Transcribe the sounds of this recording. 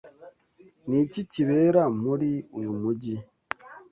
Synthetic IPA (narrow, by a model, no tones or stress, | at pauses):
niciciβeːɾamuɾiujumuɟi